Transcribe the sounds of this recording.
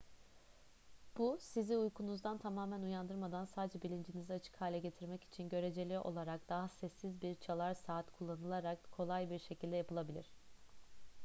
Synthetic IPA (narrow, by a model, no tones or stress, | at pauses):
b̥usiziujkʰunuzd̪ant̪ʰamaːmænujand̪ɯɾmad̪ansaːd̪ed͡ʒɛbilʲind͡ʒiniziat͡ʃʰɯ̥khaːlʲɛɟe̞t̪ʰiɾmɛci̥t͡ʃʰinɟø̞ɾe̞d͡ʒe̞lʲiʔo̞̰lˠaɾakd̪̥aɦasɛsːizbiɾt͡ʃʰalˠaɾsaːt̪kʰulˠːanɯlˠaɾakkʰo̞lˠajbiɾʃe̞cʰilʲd̪ɛjapʰɯlˠabilʲḭɾ̝̥